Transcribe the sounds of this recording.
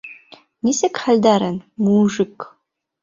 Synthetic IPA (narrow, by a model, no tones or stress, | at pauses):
nisɐkħald̪aːɾɐnmuːʒɨk